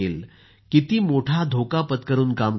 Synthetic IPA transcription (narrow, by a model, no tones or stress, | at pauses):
el | kit̪iːmoʈʰad̪ʱokapət̪kəɾuːnkam